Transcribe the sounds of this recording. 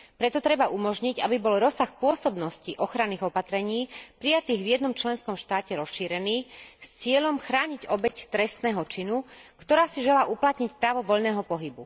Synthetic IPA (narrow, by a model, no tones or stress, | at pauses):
pɾɛt̪ɔt̪ɾɛbaʔumɔʒɲiɟabibɔlɾɔsaxpʊɔsɔbnɔsciʔɔxɾanːiːɣɔpat̪ɾɛɲiːpɾijat̪iːɣvjɛd̪nɔmt͡ʃlɛnskɔmʃt̪aːcɛɾɔsʃiːɾɛniːst͡sɪɛʎɔmxɾaːɲiɟɔbɛct̪ɾɛst̪nɛːɦɔt͡ʃinukt̪ɔɾaːsiʒɛlaːʔuplat̪ɲicpɾaːʋɔʋɔʎnɛːɦɔpɔɦibṵ